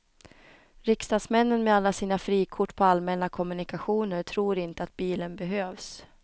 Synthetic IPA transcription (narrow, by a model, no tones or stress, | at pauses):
ɾɪkst̪ɑːd̪smɛnːənmɛalːasiːnafɾiːkʰʊʈːpʰɔalmɛnakʰɔmɵnɪkaɧuːnəɾʈʰɾuːɾɪnt̪əat̪̚biːlənbɛɦøːvs